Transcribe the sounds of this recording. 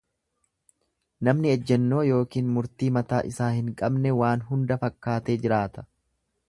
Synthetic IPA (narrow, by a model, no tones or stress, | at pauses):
nɐmnɪɛd͡ʒːɛnːo̞ːjo̞ːkiːnmʊɾt̪iːmɐt̪aːʔɪsaːhɪŋkʼɐbnɛwaːnɦʊnd̪ɐfɐkːaːt̪eːd͡ʒɪɾaːt̪ɐ̥